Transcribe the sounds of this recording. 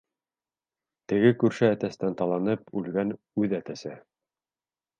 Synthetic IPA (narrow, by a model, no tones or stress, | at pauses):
t̪ɘ̆ɡɘkʉɾʃɘæt̪æst̪ænt̪ɑlˠɑnɤpʉlɡæn | ʉðæt̪æsɘ